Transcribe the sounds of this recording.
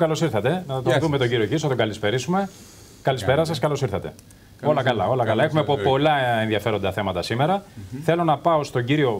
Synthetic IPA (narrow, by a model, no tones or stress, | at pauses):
kɐlo̞siɾθɐt̪e̞nɐt̪ɐt̪ot̪ume̞t̪oɟiɾiocisθɐt̪oɡɐlispe̞ɾisume̞ | kɐlispeɾɐsɐskɐlo̞siɾθɐt̪e̞̰ | olɐkɐlɐo̞lɐkɐlɐexumepopo̞lɐenðiɐfe̞ɾo̞nd̪ɐθe̞mɐt̪ɐsime̞ɾɐθe̞lo̞nɐpɐo̞st̪o̞ɲɟiɾio̞